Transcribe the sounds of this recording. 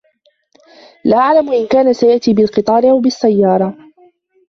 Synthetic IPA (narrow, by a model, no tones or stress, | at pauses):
laʔaʕlamʔɪnkaːnasajaʔt̪iːbɪlqɨt̪ˤɑːɾɪʔawbɪsːajːɑːɾˤɑ